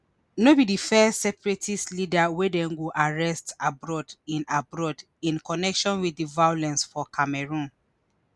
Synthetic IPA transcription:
nobidifɛstsɛpɹitislidawedɛ̃nɡuʔaɹɛstabɹɔdĩnabɹɔd | ĩnkɔnɛkʃɔ̃nwiivajolɛ̃nsfɔkʰamɛɹũn

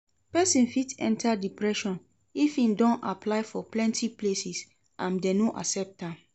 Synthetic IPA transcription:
pɛsĩnfitɛ̰̃ntʰadipɹɛʃɔ̃n | ifĩndɔ̃napʰlaɪfɔplɛ̃ntʰiplesis | ʔãndɛ̃noʔa̰sɛp̚tãm

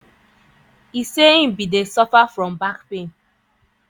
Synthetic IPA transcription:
iseĩm̩bidesɔfafɾɔ̃mbakpẽn

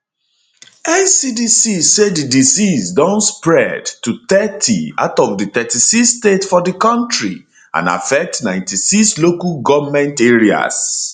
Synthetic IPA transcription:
ɛnsidisisedidisisdɔ̃nspɹɛdtut̪ɛtʰia̰ʊtɔfdit̪ɛtisistetfɔdikɔ̃ntɹḭ | ã̰na̰fɛk̚tnãɪ̃ntisikslokaɡɔvmɛ̃nteɹia̰s

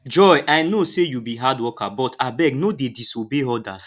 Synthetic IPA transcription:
d͡ʒɔjʔajnosejubiɦadwɔkabɔtʰabɛɡnodedisobeɔda̰s

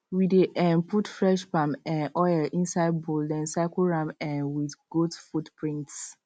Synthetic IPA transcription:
wideʔɛ̃nputfɹɛʃpãmɛ̃nʔɔjɛlʔĩnsaɪd̚boldɛ̃nsaɪkoɹãmɛ̃nwidɡ̥otfutpɹĩnts

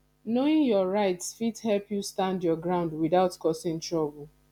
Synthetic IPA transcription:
noɪ̃ŋjɔɹaɪtsfithɛlpjustãndjɔɡɹãʊ̃ndwiðaʊtkɔsɪ̃ŋtɹɔbʊl

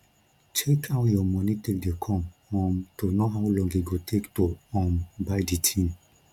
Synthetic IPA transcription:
t͡ʃʰekʰaʊtjɔmɔnitek̚dekʰɔ̃mhɔ̃mtonoɦaʊlɔ̃ŋɡiɡotʰektoɔ̃mbaɪditʰĩm

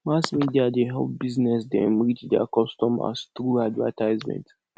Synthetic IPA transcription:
masmidiad̪eɦɛ̰lˠp̚biznɛsd̪ɛ̰̃mɾit͡ʃd̪ɛa̰kɔst̪ɔ̃ma̰st̪ɾuadva̰tʰajzmɛ̰̃nt

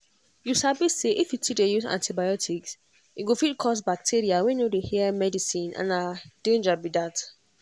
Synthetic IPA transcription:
jusabiseʔifjutʰik̚ejuzã̰ntʰibajɔtʰiks | iɡofid̚kʰɔs̬bak̚tʰiɹiawɛ̃nodehiɛmɛdisĩnã̰nadẽnd͡ʒabidat

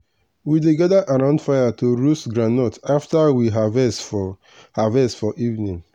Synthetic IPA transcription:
wideɡadaʔaɾãʊ̃ndfajatoɹusɡɾãnɔtaftawiɦavɛsf | havɛsfɔʔivnĩŋ

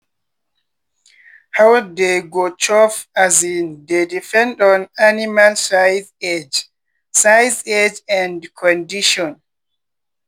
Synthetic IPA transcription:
hawdeɡot͡ʃɔfazindedifɛ̃ndɔ̃nanimalsajzed͡ʒ | sajzed͡ʒɛ̃ndkʰɔ̃ndiʃɔ̃n

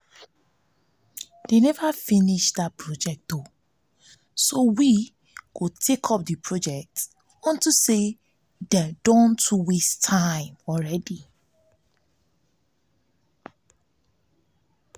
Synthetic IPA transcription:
d̥enɛvafiniʃdat̚pʰɹɔd͡ʒɛk̚t̚do | sowi | ɡ̥otʰekʰɔp̚dipʰɹɔd͡ʒɛk̚t | ɔ̃ntuse | dɛdɔ̃ntʰuwistʰãɪ̃mɔɹɛdi

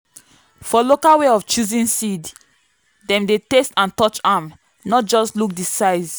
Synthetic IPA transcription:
fɔlokaweɔft͡ʃuzĩnsid | dɛ̃mdetestãntɔt͡ʃam | nɔt̚d͡ʒɔstluk̚disaɪz

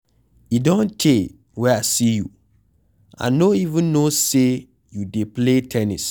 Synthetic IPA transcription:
idõntʰe | wɛasijṵ | ã̰noivũnːose | judepletʰɛnḭs

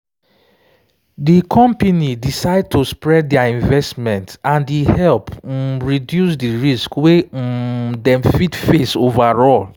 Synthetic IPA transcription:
dikʰɔ̃mpenidisaɪd̚tʰospɹɛd̚ɛaĩnvɛstmɛ̃ntãndihɛlpɹidjusdiɹiskwe | dɛ̃mfitfesovaɹɔl

